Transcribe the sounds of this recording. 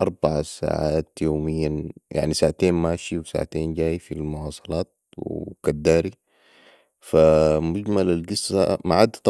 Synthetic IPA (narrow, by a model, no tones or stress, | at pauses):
ʔɑɾˤbaʕasa̰ːʕaːt̪joːmijːajʔa̰ʕnisaːʕat̪eːnmaːʃiwsa̰ːʕat̪eːnɟaːjfilmuwɑːsˤɑlɑːt̪̚ | wḭkad̪ːaːɾi | famʊɟmalalɡɪsːa̰maʕad̪ːat̪